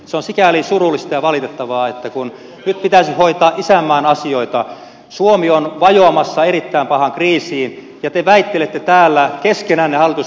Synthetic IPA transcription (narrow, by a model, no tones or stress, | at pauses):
seonsikælisurulːist̪ɑjɑʋɑlit̪et̪ːɑʋɑːet̪ːækun | nyt̪̚pit̪æsihoit̪ɑːʔisæmːæːnɑsioit̪ɑ | suomionʋɑjoɑmɑsːɑerit̪ːæimpɑhɑŋkriːsiːn | jɑt̪eʋæit̪ːelet̪ːet̪æːlːækeskenæːnnehɑlːˑit̪us